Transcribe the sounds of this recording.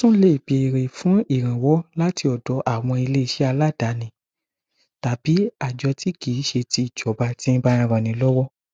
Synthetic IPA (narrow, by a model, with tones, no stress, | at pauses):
sũ˦le˦i˨be˧˨ɾe˨fũ˨˦i˦˨ɾ̃ã˨wɔ˦la˦ti˧ɔ˨dɔ˨˦ʔa˨w̃ɔ̃˧i˧le˦i˦˨ʃɛ˦a˧la˦˨da˨˦nĩ˨˦ | ta˨bi˨˦a˦˨d͡ʒɔ˧˦ti˦ki˨˦ʃe˧ti˧i˨d͡ʒɔ˨˦ba˧tĩ˦ba˧ɾ̃ã˧ɾã˨nĩ˨˦lɔ˦wɔ˦